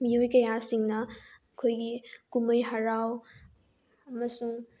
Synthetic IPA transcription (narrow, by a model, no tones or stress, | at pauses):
miojkɐjasiŋnɐ | kʰojɡikuməjɦaɾaw | ɐmɐsuŋ